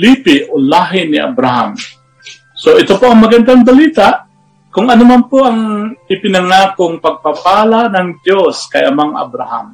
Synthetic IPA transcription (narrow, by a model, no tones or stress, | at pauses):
liːpɪʔolaːɦɪnɪʔa̰bɾaɦa̰m | soʔɪt̪opoʔɐŋmɐɡɐnd̪aŋbaliːt̪aʔ | kʊŋɐnʊmanpoʔɐŋʔɪpɪnɐŋaːkoŋpɐɡ̚papaːlanaŋd̪joskɐjʔɐmaŋʔa̰bɾa̰ha̰m